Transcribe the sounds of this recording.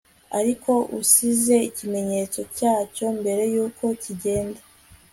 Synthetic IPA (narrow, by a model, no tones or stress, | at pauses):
aɾikʰo̞ʔusize̞icime̞ɲe̞t͡so̞caːco̞mbe̞ɾe̞juːkʰo̞ciɟe̞ːnda